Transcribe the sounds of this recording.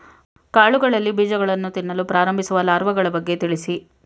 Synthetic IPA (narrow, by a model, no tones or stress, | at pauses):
kaːɭuɡɐɭɐlːibiːd͡ʒɐɡɐɭɐnːut̪inːɐlupɾaːɾɐmbʱisuʋɐlaːɾʋɐɡɐɭɐbɐɡːe̞t̪iɭisi